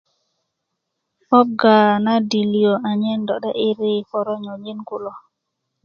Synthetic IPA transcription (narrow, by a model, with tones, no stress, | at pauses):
fɔ˦b̚ɡa˨na˦di˨li˨jo˨a˨ɲɛ˦ndɔ˨ɗɛ˦ʔi˦ɾi˨fɔ˨ɾɔ˦ɲɔ˨d͡ʒi˦nku˨lɔ˨